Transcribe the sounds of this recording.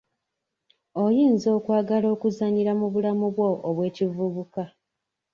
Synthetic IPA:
o̞jiːnzo̞ːkwaːɡalo̞ːkuzaɲiɾamuβulamuβwo̞ʔːβwe̞ːcivuβuka

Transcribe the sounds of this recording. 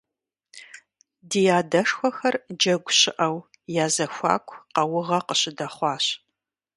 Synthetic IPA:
dijaːdɐʂxʷɔxɐrd͡ʒɐɡʷʊɕɪʔɐw | jaːzɐxʷɑ̰ːkʷʰqɐwʊʁɐqəɕɪdɐχʷɑːɕ

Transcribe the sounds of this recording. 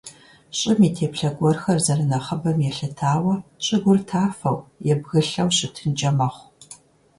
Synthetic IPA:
ɕʼɪmiːtʰeːpɬɐɡʷɔrxɐrzɐrɨnɐχəbɐmjɛɬɨtʰaːwɐɕʼɪɡʷʊrtʰaːfɐwjɛbɣɨɬɐwɕʼɪtʰɨnd͡ʒɐmɐχʷ

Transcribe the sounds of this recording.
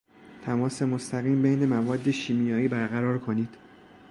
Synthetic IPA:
t̪ʰæmɒːse̞most̪ʰæɣiːmbejne̞mævɒːd̪ːe̞ʃiːmijɒːiːbæɾɣæɾɒːɾkʰoniːd̪̥

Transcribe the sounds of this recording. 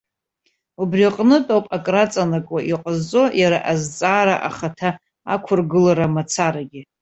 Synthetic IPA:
ubriqʼnɨtʼowpʼakʼrat͡sʼanakʷʼaʔiqʼəzt͡sʼo̞jaɾa̰ʔazt͡sʼaːɾaʔa̰χatʰa | a̰kʷʰʊrɡɨlaɾamat͡sʰaɾaɡʲɪ

